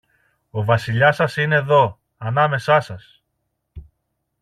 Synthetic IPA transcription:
o̞vɐsiʎɐsɐsine̞ðo̞ | ɐnɐme̞sɐsɐs

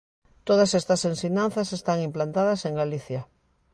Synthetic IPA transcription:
t̪oð̞ɐsest̪ɐsensiɲan̟θɐsest̪aŋimplant̪aðɐseŋɡaliθja

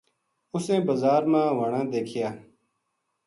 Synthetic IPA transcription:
ʊsẽːbəzaːɾmãːʋaːɳãːd̪eːkʰɪjaː

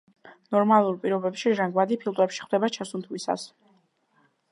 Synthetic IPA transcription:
nɔɾmalˠuɾpʼiɾɔbɛpʃiɾaŋɡwad̪ipʰilˠt̪ʼwɛpʃi̥χwd̪ɛbat͡ʃʰasunt̪ʰwisa̰s

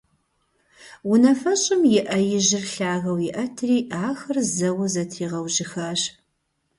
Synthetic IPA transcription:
wʊnɐfɐɕʼɪmjɪʔɐjɪʑɪrɬaːɣɐwjɪʔɐtʰriːʔaːxɐrzɐwɐzɐtʰiːʁɐwʒɪxɐɕ

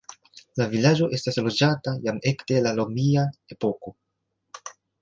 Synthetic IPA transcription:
lavilad͡ʒo̞ʔe̞staslo̞d͡ʒatajame̞kde̞lalomiae̞po̞ko̞

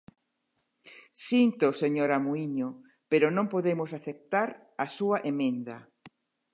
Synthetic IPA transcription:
sint̪oseɲoɾamuiɲo | peɾʊnõmpoðemʊsaθep̚t̪aɾ | ɐsuaʔemẽnd̪ɐ

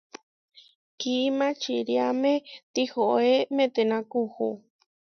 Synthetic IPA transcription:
kimãt͡ʃiɾjamet̪ihoʔemẽt̪enãkuhu

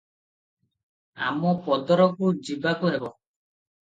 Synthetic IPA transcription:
a̰mɔpɔd̪ɔɾɔkud͡ʒibakuɦebɔ

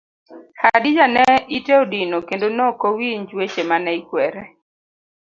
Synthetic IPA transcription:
hadɪd͡ʒanɛiteodɪnokendonɔkowiɲd͡ʒwet͡ʃemanɛikwɛɾɛ

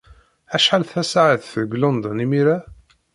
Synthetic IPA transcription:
æʃħalθæsaʕəθθðɡlond̪ɔnimiɾa

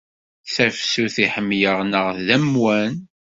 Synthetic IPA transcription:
θæfsuθiħəmːjəʁnəʁðæmwæn

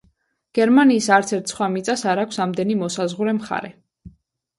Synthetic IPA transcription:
ɡ̥ɛɾmaniːsaɾt̪sʰɛɾt̪ʰsχwamit̪sʼasaɾakʷʰsamd̪ɛnimɔsazʁuɾɛmχa̰ɾɛ

